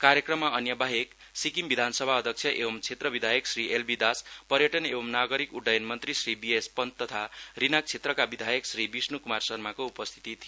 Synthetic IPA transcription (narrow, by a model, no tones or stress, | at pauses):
kaɾjʌkrʌmːaʌnjʌbaɦek | sikimbid̪ʱansʌbʱaʌd̪ʱʌk̚t͡sʰjʌʔebʌmt͡sʰet̪rʌbid̪ʱajʌksriʔelbid̪aspʌɾjʌʈʌnebʌmnaɡʌɾikuɖːʌjʌnmʌnt̪risribiespʌnt̪t̪ːʌt̪ʰarinak̚t͡sʰet̪rʌkabid̪ʱajʌksribisnukumarsʌrmakoupʌst̪ʰi̥t̪it̪ʰi